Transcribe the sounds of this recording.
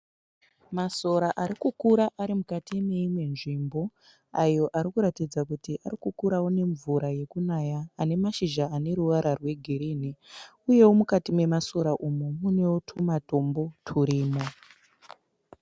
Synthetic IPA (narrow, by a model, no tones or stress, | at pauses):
maso̞ɾaʔaɾikukuɾaʔaɾimukatime̞imwe̞nʐimbo̞ | ajo̞ʔaɾikuɾatid͡zakutiʔaɾikukuɾawone̞ɱvuɾaje̞kunajaːne̞maʃiʒaːne̞ɾuʋaɾʔarwe̞ɡʱiɾini | uje̞womukatimwe̞maso̞ɾaʔumumune̞wotʰumato̞mbo̞tʰuɾiːmo